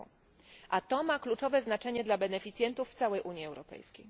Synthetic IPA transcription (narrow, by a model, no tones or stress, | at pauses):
ʔat̪ɔmaklut͡ʂɔvɛznat͡ʂɛɲɛd̪labɛnɛfʲit̪sʲjɛnt̪ufːt̪sawɛjʔuɲjiɛwɾɔpɛ̰jskʲḛj